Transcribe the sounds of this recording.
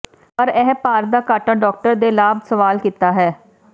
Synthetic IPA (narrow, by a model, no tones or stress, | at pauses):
pəɾɛːpaːɾd̪aːkaːʈaːɖɔːk̚ʈəɾd̪eːlaːbsəʋaːlkiːt̪aːɦɛː